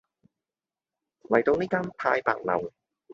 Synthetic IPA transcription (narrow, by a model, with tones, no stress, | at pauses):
lɐ˨˩jt̪o˧wniː˥kaː˥npʰa̰ː˧jpa̰ː˨˧k̚lɐ̰˨˩w